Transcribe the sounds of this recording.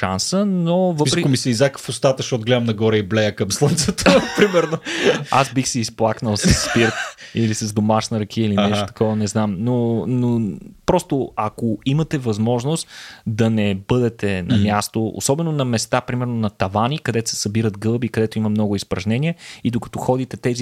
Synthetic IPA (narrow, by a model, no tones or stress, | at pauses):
ʃa̰nsənovəisɾɛkmisɛizakfʊst̪at̪əʃtot̪ɡlɛd̪əmnɐɡɔɾəiblɛjəkɐmslˠənt̪sət̪əpɾimɛɾnoasbixsiːsplˠaknəlˠsɐsːpiɾt̪ilisɐzd̪omaʃnɐɾɐkʰiəilinɛʃtot̪ɐ̥kʰɔvɐnɛznamnonopɾɔst̪oɐkoimɐt̪ɛvɐzmɔʒnost̪d̪ɐnɛbɤd̪ɛt̪ɛnɐmʲjast̪oo̰sɔbɛnonɐmɛst̪apɾimɛɾnonɐt̪ɐvanikɐd̪ɛt̪ʊ̥sɛ̥sɐbiɾət̪ɡɤlˠbikɐd̪ɛt̪ʊimɐmnɔɡʊispɾɐʒnɛnʲiəid̪okɐ̥t̪ɔxɔd̪it̪ɛt̪ɛzi